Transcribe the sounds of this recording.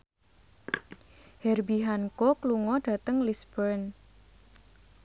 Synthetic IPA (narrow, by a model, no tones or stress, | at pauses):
hɛrbiɦankɔkluŋɔɖ̥ä̤t̪əŋlisbərn